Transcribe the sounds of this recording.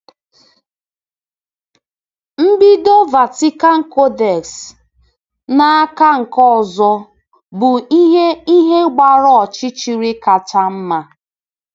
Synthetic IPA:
m̩˦bi˦do˦va˨ti˦ka˦ŋ̩˨ko˦dɛ˨ks | na˨a˦ka˦ŋ̩˨kɔ˦˨zɔ˦ | bʊ˨i˦ɦe˦i˦ɦe˦ɡ͡ba˨ɾɔ˦ɔ˨t͡ʃɪ˦t͡ʃi˨ɾi˦ka˨ta˦m̩˦ma˨

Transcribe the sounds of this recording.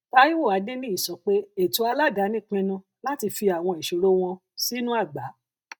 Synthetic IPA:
ta˧ji˦wo˦˨a˨˦dẽ˦nĩ˦i˦˨sɔ˨˦k͡pe˦e˨tu˨˧˦a˧la˦ɡa˨˦nĩ˦˨k͡pĩ˧nũ˧ | la˦ti˧fi˧a˨w̃ɔ̃˧i˨ʃo˨ɾo˦w̃ɔ̃˧ | si˦nũ˦a˦˨ɡ͡ba˨˦

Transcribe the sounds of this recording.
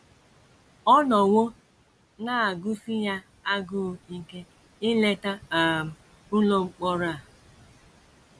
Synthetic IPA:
ɔ˦nɔ˨wo˦ | na˦a˨ɡʊ˦si˦ja˦ | a˦ɡʊ˦˨i˦ke˦ | ɪ˦le˦ta˦a˨m̩˨ | ʊ˦lo˦ŋ͡m̩˨˦k͡pɔ˦ɾa˦˨

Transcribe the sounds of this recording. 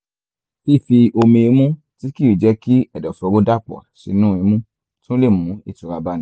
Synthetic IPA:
fi˦˨fi˧o˧mĩ˧i˧˦mũ˦ | ti˨˦ki˦u˨d͡ʒɛ˧ki˦ɛ˦˨dɔ˨fɔ˨˧˦ɾo˦da˦˨k͡pɔ̰˨a̰˨ʃi˨˦nũ˦i˨˧˦mũ˦ | tũ˦le˦˨mũ˨˦i˦˨tu˨˧ɾa˧ba˧˦ñ˦

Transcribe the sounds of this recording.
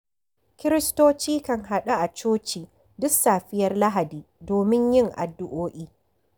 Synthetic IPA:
kʲɪ˦ɾɪ˦stoː˦t͡ʃiː˦kɐ˨ŋɦa˨ɗa˦ʔa˨t͡ʃoː˦t͡ʃiː˨ | dʊ˦ksaː˨ɸɪ˦jɐ˦rla˦ɦa˨diː˨doː˨mɪ˦ɲjɪ˦ŋʔa̰˨dːʊ˦ʔoː˦ʔʲiː˦

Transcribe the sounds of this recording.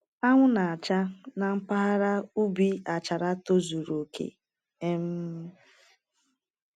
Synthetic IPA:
a˦ŋʷʊ˦na˨a˨t͡ʃa˦na˨m̩˦pa˦a˦ɾa˦u˦bi˦a˨t͡ʃa˨ɾa˦to˦zu˨ɾo˨kḛ˨ | e˦m̩˦

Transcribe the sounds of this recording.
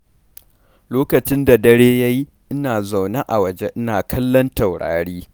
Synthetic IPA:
loː˦kɐ˨t͡ʃɪ˦nda˨dɐ˦ɽeː˦ja˦ji˦ | ʔɪ˦naː˨za˨wna˦ʔa˨wɐ˨d͡ʒe˦ʔɪ˦naː˨kʰɐ˦lːɔ˦ntɐ˨wɽa̰ː˨ɽiː˦

